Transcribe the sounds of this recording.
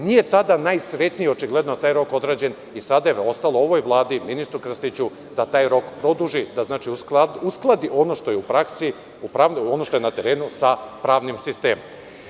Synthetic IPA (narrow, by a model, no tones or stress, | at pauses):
nije̞t̪ad̪anajsɾe̞t̪niio̞t͡ʃiɡle̞d̪not̪aːjɾo̞ko̞d̪ɾaːd͡ʑe̞n | isad̪ajeo̞st̪alˠo̞o̞ʋo̞jʋlˠaːd̪iminist̪ɾukr̩st̪it͡ɕu | d̪at̪aːjɾo̞kpɾo̞d̪uʒid̪aznaːt͡ʃiuausklˠad̪iʔonoʃt̪ojeupɾaksi | upɾaʋnono̞ʃt̪o̞jenat̪eɾeːnusapɾaːʋnimsist̪e̞ːmom